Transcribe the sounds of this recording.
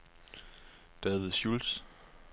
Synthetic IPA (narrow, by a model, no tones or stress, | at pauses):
d̥ɛðʋiðˠɕuls